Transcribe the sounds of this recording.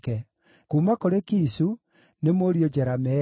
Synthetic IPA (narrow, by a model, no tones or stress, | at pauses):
kɛ | kuːmakoɾekiːsu | nemoɾijod͡ʑɛɾamɛ